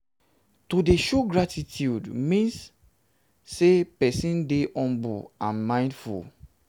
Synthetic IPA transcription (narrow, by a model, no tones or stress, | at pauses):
tudeʃoɡɹatʰitjudmĩnsː | epɛsĩndeʔɔ̃mbṵãnmãɪ̃ndfṵl